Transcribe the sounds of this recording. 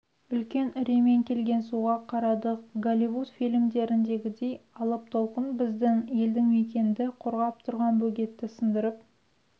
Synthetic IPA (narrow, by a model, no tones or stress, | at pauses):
ʏlkʲe̞nɪɾeme̞ŋkʲʰe̞lɡʲe̞nsuʁɑqʰɑɾɑd̪əqɡolʲivut̪filʲmd̪e̞ɾɪnd̪e̞ɡʲɪd̪e̞jɑlˠəp̚t̪ʰolˠqənbɪzd̪ɪŋje̞ld̪ɪŋme̞kʲe̞nd̪ɪqʰoɾʁɑp̚t̪ʰʊɾʁɑnbɵɡʲe̞t̪ːɪsənd̪əɾəp̚